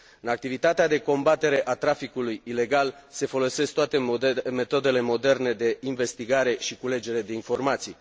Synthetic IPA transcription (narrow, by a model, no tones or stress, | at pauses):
ɨnak̚t̪ivit̪at̪ead̪e̞ko̞mbat̪e̞ɾe̞ʔat̪ɾafikulujile̞ɡalse̞fo̞lo̞se̞sk̚t̪oat̪e̞me̞t̪o̞d̪e̞le̞mo̞d̪e̞rne̞d̪e̞inve̞st̪iɡaɾe̞ʃikule̞d͡ʒe̞ɾe̞d̪e̞info̞rmat̪sij